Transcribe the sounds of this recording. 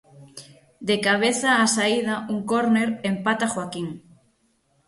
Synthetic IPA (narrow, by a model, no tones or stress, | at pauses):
d̪ekaβ̞eθaːsaiðauŋkoɾneɾempat̪axwakiŋ